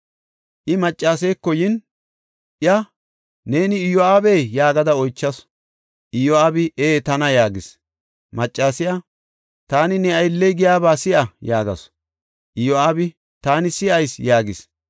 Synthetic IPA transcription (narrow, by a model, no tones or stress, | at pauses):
ʔɪmɐt͡ʃʼːaːs̬ejkːɔjɪn | ʔɪɐ | ne̞ːnɪːjɔaːbejjaːɡɐd̪ɐɔjt͡ʃːɐs | ʔɪjɔaːbɪʔeːt̪ɐnɐjaːɡɪs | mɐt͡ʃʼːaːsɪja | t̪aːnɪnɛɐjlːɛjɡɪjaːbaːsɪʔɐjaːɡɐ̰s | ʔɪjɔaːbɪ | t̪aːnɪsɪʔɐjsjaːɡɪs